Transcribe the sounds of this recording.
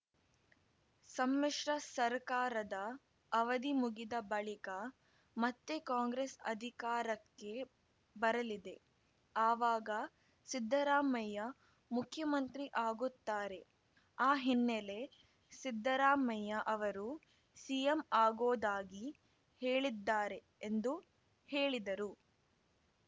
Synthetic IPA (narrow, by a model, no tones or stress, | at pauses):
sɐmːeʂɾɐsɐɾkaːɾɐd̪ɐː | ʋɐd̪imuɡid̪ɐbɐɭikɐ | mɐt̪ːekaːŋɡɾesɐ̰d̪ʱikaːɾɐkːe̞ | bɐɾɐlid̪e̞ | aːʋaːɡɐ | sid̪ʱːɐɾaːmɐjɐ | mukʰjɐmɐnt̪ɾiʔaːɡut̪ːaːɾe̞ | aːɦinːele̞ | sid̪ʱːɐɾaːmɐjɐʔɐʋɐɾu | sijemaːɡoːd̪aːɡi | heːɭid̪ːaːɾe̞ːnd̪u | he̞ːɭid̪ɐɾu